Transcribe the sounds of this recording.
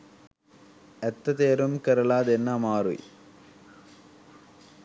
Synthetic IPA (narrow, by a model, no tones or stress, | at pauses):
ɛt̪ːɐt̪eːɾumkɐɾɐlaːd̪enːamaːɾṵj